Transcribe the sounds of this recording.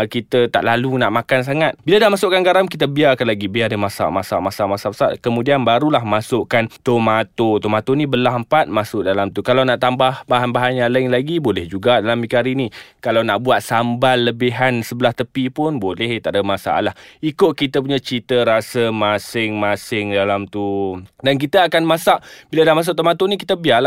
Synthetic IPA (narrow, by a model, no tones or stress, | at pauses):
kit̪ət̪a̰ʔlalunaʔmakans̬aŋat̪̚biladahmasʊʔkanɡaɾamk̬it̪əbiarkanlaɡibiardəmasa̰masamasamasapəsa̰ʔkəmũdianbaɾulahmasʊʔkant̪omat̪ot̪omat̪onibəlaɦəmpat̪̚masʊʔdalamt̪ukalawnaʔt̪ambahbaɦanbaɦanalaɪŋlaɡibolɛhd͡ʒuɡadalamikaɾinikalawnaʔbuat̪̚sambalːəbiɦansəbəlaht̪əpipʊnbolɛht̪a̰ʔdəmasa̰ʔa̰lahikʊʔ̪̚kit̪əp̬uɲat͡ʃit̪əɾasəmasɪŋmasɪŋdalamt̪udank̬it̪əakanmasaʔb̥iladahmas̬ʊʔ̚t̪omat̪onikit̪əbiala